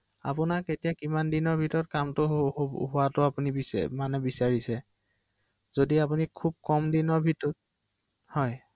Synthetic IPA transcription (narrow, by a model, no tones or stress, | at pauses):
a̰pʊnaketijakimandinɔɹbʱitɔɹɔt̚kamtʊɦʊatʊapuniḭmanɛbisaɹisɛ | zodiapunikʰub̚kɔmdinɔɹbʱitɔt̚ | hɔj